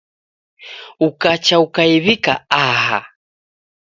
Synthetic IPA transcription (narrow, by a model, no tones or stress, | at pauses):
ukat͡ʃaukajβikaaha̰